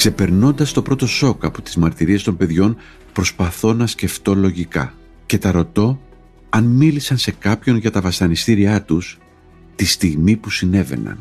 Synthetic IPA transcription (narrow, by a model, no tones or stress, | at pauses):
kse̞pe̞ɾno̞nd̪ɐst̪o̞pɾo̞t̪o̞so̞kɐpot̪izmɐɾt̪iɾie̞st̪o̞mbe̞ðʝo̞n | pɾo̞spɐθo̞nɐsce̞ft̪o̞lo̞ʝikɐ̰ | ce̞t̪ɐɾo̞t̪o̞ | ɐnmilisɐnse̞kɐpço̞nʝɐt̪ɐvɐsɐnist̪iɾiɐt̪us | t̪ist̪iɣmipusine̞ve̞̰nɐ̰n